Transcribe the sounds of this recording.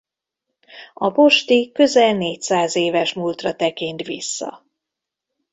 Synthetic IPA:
ɒbo̞ʃt̪ikø̞zɛlneːcsaːzeːvɛʃmult̪rɒt̪ɛkint̪ʋisːɒ̰

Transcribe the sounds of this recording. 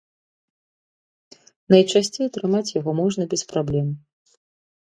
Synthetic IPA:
nɐjt͡ʂasʲt͡sʲejɐt̪ɾɨmat͡sʲjaɣɔmɔʐnɐbɛspɾablʲɛm

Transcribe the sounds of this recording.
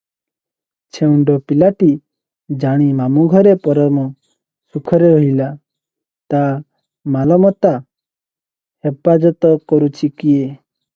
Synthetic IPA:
t͡ʃʰeuɳɖɔpilaʈi | d͡ʒaɽ̃imamuɡʱɔɾepɔɾɔmɔ | sukʰɔɾeɾɔɦila | t̪a | malɔmɔt̪a | hepad͡ʒɔt̪ɔkɔɾut͡ʃʰikie

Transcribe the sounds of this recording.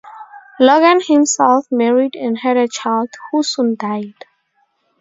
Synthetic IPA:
lɔɡə̃nhĩmsɛlfmɛɹiɖɛ̃nhɛɾət͡ʃaɪldhusũndaɪd̥

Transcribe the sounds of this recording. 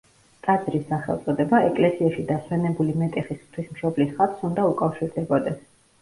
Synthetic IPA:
kʼad̪zɾisːaχɛlˠt̪sʼɔd̪ɛbaɛkʼlɛsiaʃid̪aswɛnɛbulimɛt̪ʼɛχisχt̪ʰwismʃɔblisχat̪ʰsund̪aukʼafʃiɾd̪ɛbɔd̪ɛs

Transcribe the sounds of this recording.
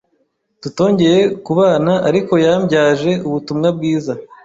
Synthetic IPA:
tuto̞ːɲɟe̞je̞kuβaːnaʔaɾiko̞jambɟaːʒe̞uβutumŋab̚ɡiːza

